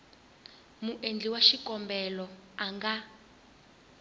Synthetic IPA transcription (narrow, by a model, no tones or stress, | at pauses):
muʔend͡ɮiwaʃikɔmbɛlɔaŋɡa